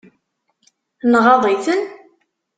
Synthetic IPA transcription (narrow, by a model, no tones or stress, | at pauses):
nʁɑðˤiθən